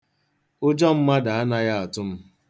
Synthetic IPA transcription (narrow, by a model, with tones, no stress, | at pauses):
ʊ˦d͡ʒɔ˦m̩˦ma˦da˨a˦na˦ja˦a˨tʊ˦m̩˦